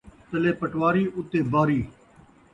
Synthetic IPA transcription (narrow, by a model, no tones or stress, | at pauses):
t̪əleːpəʈʋaːɾiːʔʊt̪eːbaːɾiː